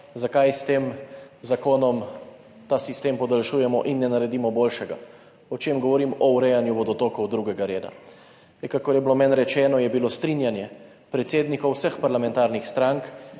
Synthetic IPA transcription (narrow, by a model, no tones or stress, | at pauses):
zakajst̪eːmzakoːnɔm | t̪aːsist̪empɔd̪alʃujɛmɔʔinːɛnaɾɛd̪iːmɔboːlʃɛɡa̰ | ɔt͡ʃeːmɡɔʋɔɾimɔwɾɛjanjuʋɔd̪ɔt̪okɔwd̪ɾuɡɛɡaɾeːd̪a̰ | ɛkakɔɾjɛblomɛnɾɛt͡ʃɛːnɔjɛbilost̪ɾinjanjɛ | pɾɛt̪seːd̪nikɔwsəxpaɾlamɛnt̪aːɾnixst̪ɾaŋk